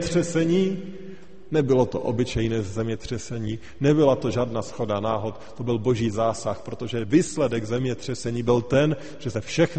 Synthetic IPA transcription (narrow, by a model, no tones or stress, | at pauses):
t̪r̥ɛsɛɲiː | nɛbɪlo̞t̪o̰ʔo̰bɪt͡ʃɛjnɛːzɛmɲɛt̪r̝̥ɛsɛɲiː | nɛbɪlat̪o̞ʒaːdnasxo̞danaːɦot̪t̪o̞bɪlbo̞ʒiːzaːsaxpɾo̞t̪oʒɛviːslɛdɛɡzɛmɲɛt̪r̝̥ɛsɛɲiːbɪlt̪ɛn | ʒ̥ɛsɛfʃɛx